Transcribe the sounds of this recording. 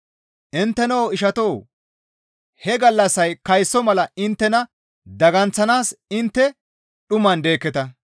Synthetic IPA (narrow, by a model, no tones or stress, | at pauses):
ʔɪnt̪ːɛnowɪʃɐt̪o̞ː | hɛɡɐlːɐsːɐjkɐjsːɔmɐlɐɪnt̪ːɛnɐ | d̪ɐɡɐnt͡sːɐnaːsɪnt̪ːɛ | ɗʊmɐnd̪e̞ːkːɛt̪ɐ